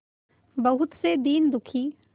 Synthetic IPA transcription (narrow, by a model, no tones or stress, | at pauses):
bɐɦʊt̪sed̪iːnd̪ʊkʰiː